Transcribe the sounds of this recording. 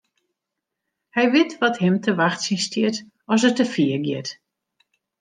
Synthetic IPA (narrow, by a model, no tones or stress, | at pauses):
hɛjʋɪtʋɔthɪmtʰəʋaxtsinstjɪt | ɔs̬ətəfiəɡjɪt